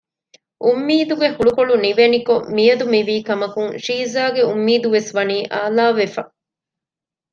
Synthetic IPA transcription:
ʔumːiːd̪uɡehuɭukoɭuniʋenikomijɐd̪umiʋiːkɐmɐkuŋʃiːzaːɡeumːiːd̪uʋesʋɐniːʔaːlaːʋefɐ

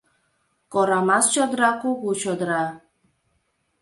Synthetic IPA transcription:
koɾamɑst͡ɕod̪ɾɑkuɣut͡ɕod̪ɾɑ

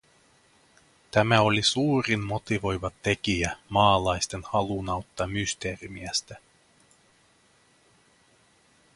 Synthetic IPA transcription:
t̪æmæo̞lisuːɾinmo̞t̪iʋo̞jʋɑt̪e̞k̟iæmɑːlɑjst̪e̞nhɑlunɑwt̪ːɑmyst̪e̞ːrimiæst̪æ

